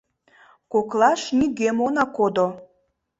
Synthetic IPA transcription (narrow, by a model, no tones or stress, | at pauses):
koklaʃnʲiɡemonakod̪o